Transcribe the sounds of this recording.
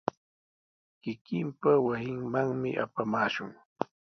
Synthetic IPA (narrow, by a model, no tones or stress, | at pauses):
kɪkɪmpawasɪŋmaŋmɪ̰ʔa̰pamaːʃʊŋ